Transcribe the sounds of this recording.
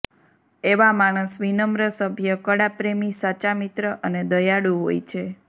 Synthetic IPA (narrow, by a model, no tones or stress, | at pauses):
eʋamaɽ̃əsʋinəmɾəsəbʱjəkəɽapɾemisat͡ʃamit̪ɾəʔəned̪əjaɽuɦo̰jt͡ʃʰe